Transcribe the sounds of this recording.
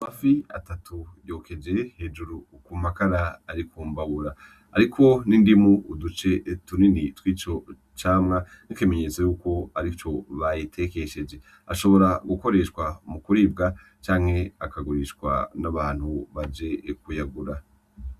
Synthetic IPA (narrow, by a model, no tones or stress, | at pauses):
mafia̰tatujoːkʰe̞d͡ʒe̞he̞ːd͡ʒuɾu | kumakaɾaːɾikuːmbaβuɾa | a̰ɾikʰo̞nindimuːdut͡ʃe̞tuninitwiːt͡ʃo̞ | t͡ʃaːmŋa | nikime̞ɲe̞ːt͡so̞juːko̞aɾit͡ʃo̞βajitʰe̞ke̞ʃe̞d͡ʒe̞ | aʃo̞βo̞ɾaɡuko̞ɾe̞ʃkwamukuɾiːb̚ɡa | t͡ʃaːŋhe̞akaɡuɾiʃkwa̰naβaːn̥huβad͡ʒe̞kujaɡuɾa